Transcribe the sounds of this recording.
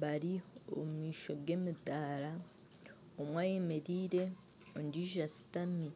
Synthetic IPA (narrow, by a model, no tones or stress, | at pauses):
baɾio̰mumiːʃo̞ɡe̞mitaːɾa | omwaːjemeɾiːɾe̞ | ondiʒasi̥tami